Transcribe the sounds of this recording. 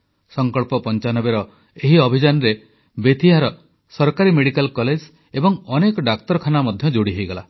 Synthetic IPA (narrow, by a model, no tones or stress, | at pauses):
sɔŋkɔɭpɔpɔnt͡ʃanɔbeɾɔ | eɦiɔbʱid͡ʒanɔɾe | bet̪ʰiɦaɾɔ | sɔɾkaɾimeɽikalkɔled͡ʒ | ebɔŋɔnekɔɖakt̪ɔɾɔkʰanamɔd̪ʱjɔd͡ʒoɽiɦejɡɔla̰